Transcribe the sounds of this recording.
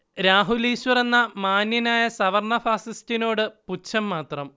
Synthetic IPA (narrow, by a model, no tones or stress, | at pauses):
ɾaːɦuliːɕʋɐre̞nːɐmaːninaːjɐsɐʋɐrɳɐfaːsistino̞ːɽɨput͡ɕʰːɐmːaːt̪rɐm